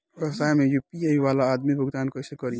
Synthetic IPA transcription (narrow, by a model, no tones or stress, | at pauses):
ɐsaːjmẽjupiaiʋaːlaːd̪mibʱʊɡt̪aːnkɔjsekəɾi